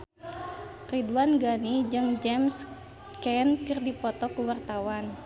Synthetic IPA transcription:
riduanɡanid͡ʒɨŋd͡ʒɛms | kɛnkɨrdipɔt̪ɔkuwart̪awan

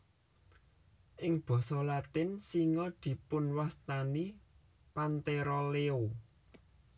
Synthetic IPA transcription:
ʔɪŋb̥ɔ̤sɔlat̪ɪnsiŋɔd̪̥i̤pʊnwast̪ani | pant̪eɾɔleo

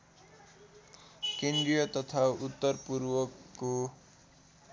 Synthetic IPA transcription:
kendijʌt̪ʌt̪ʰaut̪ːʌrpuɾwʌkːo

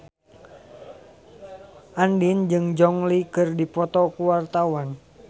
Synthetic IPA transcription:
ʔandind͡ʒɨŋd͡ʒɔŋlikɨrdipɔt̪ɔkuwart̪awan

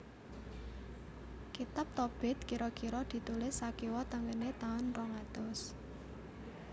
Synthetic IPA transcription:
kit̪ap̚t̪ɔb̥ɛ̤t̪̚kiɾɔkiɾɔd̪̥i̤t̪ulɪsːakiwɔt̪əŋɡənet̪aʊnrɔŋat̪ɔs

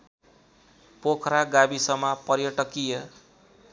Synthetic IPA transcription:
pokʰɾaɡabisʌmapʌɾjʌʈʌkijʌ

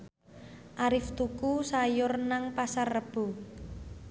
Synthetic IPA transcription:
ʔaɾɪft̪ukusajʊrnaŋpasarːəb̥o̤

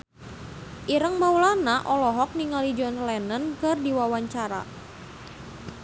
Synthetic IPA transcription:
ʔiɾəŋmaulanaʔɔlɔɦɔk̚niŋalid͡ʒɔnlɛnənkərdiwawaɲt͡ʃaɾa̰

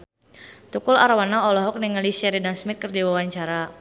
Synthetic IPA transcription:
t̪ukʊla̰ɾwanaɔlɔɦɔk̚niŋalisɛɾidansmɪt̪̚kərd͡ʒiwawaɲt͡ʃaɾa

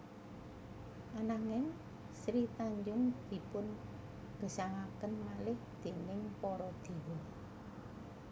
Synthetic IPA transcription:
ʔanaŋɪn | sɾit̪aɲd͡ʒʊŋd̪̥i̤pʊn | ɡ̥ə̤saŋakənmalɪhd̪̥e̤nɪŋpɔɾɔd̪̥e̤wɔ

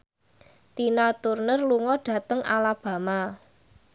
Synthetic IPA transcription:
t̪inat̪urnərluŋɔɖ̥a̤t̪əŋʔa̰lab̥ä̤ma

